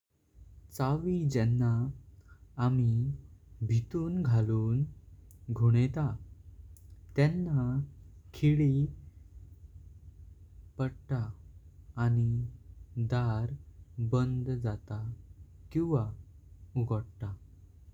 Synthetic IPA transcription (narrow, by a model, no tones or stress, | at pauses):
t͡saʋid͡ʑɛnːaː | mi | bʱit̪uːnɡʱaluːn | ɡʱoɽ̃et̪a | t̪jɛnːakʰiɭi | pəɽʈaː | ñi | d̪aɾbənd̪d͡zat̪akĩʋa | uɡʱəɽt̪a